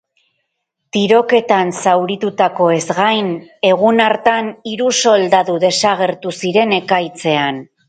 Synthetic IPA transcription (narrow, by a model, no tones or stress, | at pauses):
t̪iɾo̞ke̞t̪ansawɾit̪ut̪ako̞e̞zɣajne̞ɣ̞unaɾt̪aniɾuso̞ld̪aðuðe̞saɣ̞e̞ɾt̪usiɾe̞ne̞kajt͡se̞an